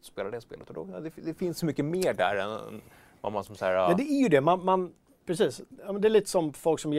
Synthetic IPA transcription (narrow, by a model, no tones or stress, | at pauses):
speːlad̪ɛspḛːlət̪ɔd̪ɔd̪ɛd̪ɛfɪnsɔmʏkːəmeːɖæ̰ɾɛn | va̰mansɔmsaæːɾaɛd̪ɛæɾjɵd̪ɛmanman | pʰɾɛsiːsjɑːmɛnd̪ɛːlɭiːt̪ə̥sɔmfɔlksɔmjɛ